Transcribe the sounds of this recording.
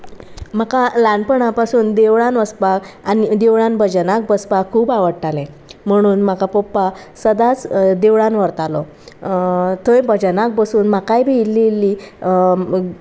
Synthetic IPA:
m̤akalãɳpəɳapasuːnd̪eʋɭãnʋəspakanid̪eʋɭãnbʱəd͡ʑənak̚bəspakʰuːbaʋəɽʈalẽ | m̤əɽ̃uːnm̤akapɔpːasəd̪at͡sd̪eʋɭãnʋəɾt̪alɔ | t̪əjbəd͡ʑənak̚bəsuːnmakajbʱiilːelːi

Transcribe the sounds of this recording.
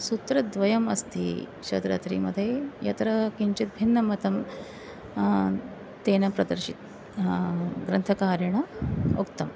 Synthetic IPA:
sut̪ɾɐd̪ʋɐjɐmɐst̪ḭɕɐt̪ɾɐ̰t̪ɾḭːmɐ̰d̪ʱːjejɐ̰t̪ɾɐkiɲt͡ɕit̪̚bʱinːɐmɐt̪ɐm | t̪eːnɐpɾɐd̪ɐɾɕit̪̚ | ɡɾɐnt̪ʰɐkaːɾjɐɳɐukt̪ɐm

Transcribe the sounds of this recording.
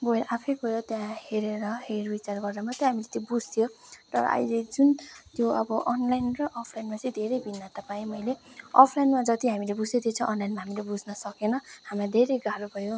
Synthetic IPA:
boeɾʔapʰʌjkuɾat̪jãheɾeɾʌɦerbit͡sarɡʌrd̪amʌt̪ʌɦamilet̪jobud͡zt̪ʰijot̪ʌɾʌ̰ʔʌ̰jled͡zunt̪joʌbʌʔʌnlajnrʌʔɔpʰlajnmat͡sʌĩd̪ʱeɾejbʱinːat̪ʌpaĩmʌjleʌ̰pʰlajnmad͡zʌt̪iɦamilebud͡zed̪ʱet͡sʰʌ̃ʔʌnlajnmaɦamilebud͡znʌsʌkenʌhamãd̪ʱeɾejɡaɾubʱʌjo

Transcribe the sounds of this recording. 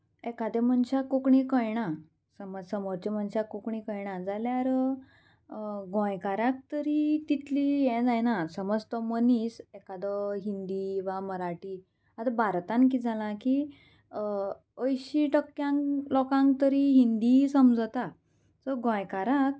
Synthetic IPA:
ɛkad̪emənɕakːokɳikəjɳa | səməd͡zsəmoɾt͡ɕem̤ənɕakːokɳikəjɳad͡zaljaɾ | ɡõjkaɾak̚t̪əɾit̪it̪lijɛ̃d͡zajnasəməd͡zt̪ɔmənisɛkad̪əɦind̪iʋaməɾaʈi | at̪abʱaɾt̪ank̬id͡zʱalaki | əjɕiʈəkːjãŋlɔkãŋk̚t̪əɾiɦind̪isəmd͡zət̪a | səɡõjkaɾak̚

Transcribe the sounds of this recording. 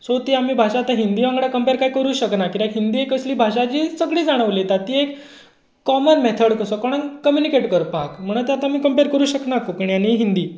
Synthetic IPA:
sot̪iamiːbʱaɕaːt̪aɦind̪iːʋãŋɡɽakəmpeɾkajkəɾuːɕəknakit̪ãkɦind̪iekəsliːbʱaɕat͡ɕiːsəɡɭiːd͡zaɽ̃əʋlet̪at̪iːekː | ɔmənmɛt̪ʰəɽkəsɔkɔɽ̃ankəmjunikeʈkəɾpakm̤əɽ̃ət̪eat̪ãamiːkəmpeɾkəɾuːɕəknakopəɳjaneɦind̪iː

